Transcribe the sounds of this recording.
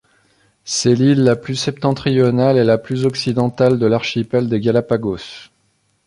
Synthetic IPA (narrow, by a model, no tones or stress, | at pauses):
sɛlilːaplysɛp̚t̪ɑ̃t̪χijɔnalelaplyzɔksid̪ɑ̃t̪ald̪əlaʁʃipɛld̪eɡʲalapaɡos